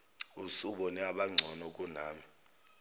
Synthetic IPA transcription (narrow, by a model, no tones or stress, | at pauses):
usuɓɔnɛaɓaŋ͡ǀʱɔnɔkʼunaːmi